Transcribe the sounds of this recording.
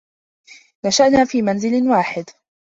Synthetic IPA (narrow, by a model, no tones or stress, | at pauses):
naʃaʔnaːfiːmanzɪlwaːħɪd̪